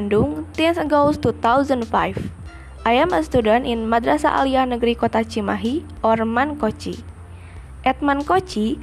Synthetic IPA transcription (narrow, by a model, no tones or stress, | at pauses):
nduŋt̪ɛnsəɡolst̪ut̪awzəndfa̰jf | ʔajɛməst̪udanʔinmad̪ɾasa̰ʔa̰liahnəɡɾikɔt̪at͡ʃimaɦi | ɔrmankɔt͡ʃḭ | ʔɛt̪̚mankɔt͡ʃi